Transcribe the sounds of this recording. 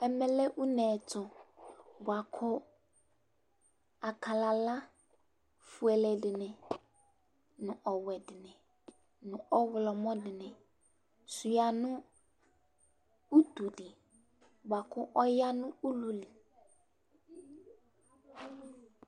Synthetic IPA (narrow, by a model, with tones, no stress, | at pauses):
ɛ˦mɛ̃˦lɛ˦ʔu˦nɛ̃ː˨tʰʊ˨ | bʊ˨a˨kʰʊ˦ | a˨kʰa˨la˨la˦ | fu˨ɛ˨lɛ˨dɪ˨nɛ̃˨ | nʊ̃˨ʔɔ˨wɛ˨dɪ˨nɛ̃˨ | nʊ̃˨ɔ˦wʊ˨lɔ˨mɔ̃˦dɪ˨nɛ̃˨ | su˨ja˨nʊ̃˦ | u˦t̪u˨dɪ˨ | bʊ˨a˨kʰʊ˦ʔɔ˦ja˦nʊ̃˦u˦lu˦li˨